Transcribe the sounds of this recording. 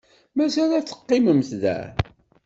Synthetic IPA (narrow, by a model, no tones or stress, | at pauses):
mæsælæt͡sːə̥qːɪməmθðæ̰